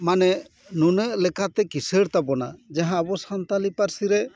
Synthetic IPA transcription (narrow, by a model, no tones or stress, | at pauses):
manɛ | nunəʔlɛkat̪ɛkisəɾt̪abɔna̰d͡ʒaɦãəbɔsant̪alipaɾsiɾɛ